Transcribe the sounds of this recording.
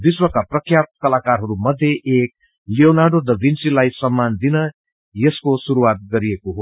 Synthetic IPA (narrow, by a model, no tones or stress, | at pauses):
d̪iswʌkaprʌkʰjapp̪̚kʌlakarɦʌɾumʌd̪ʱːjeʔek̚ | lionaɖod̪ʌbinsilajsʌmːand̪inʌ | jeskosuɾuwat̪̚ɡʌɾijekoɦo